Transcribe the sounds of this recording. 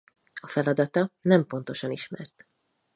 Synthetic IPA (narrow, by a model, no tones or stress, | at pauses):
ɒfɛlɒd̪ɒt̪ɒnɛmpo̞nt̪o̞ʃɒniʃmɛ̰rt̪